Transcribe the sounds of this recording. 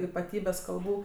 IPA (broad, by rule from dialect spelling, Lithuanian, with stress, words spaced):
iːpɐˈtʲiːbʲɛs kɐlˠˈbuː